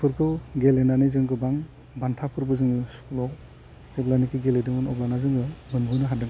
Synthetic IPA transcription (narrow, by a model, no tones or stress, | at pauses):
pʰɯɾkʰɯwɡelenanizɯŋɡɯbaŋ | bantʰapʰɯɾbɯzɯŋɡɯsu̥klɔw | zɔblanikiɡeledɯŋmɯnɔblanazɯŋɡɯbɯnbʱɯjnɯɦadɯŋ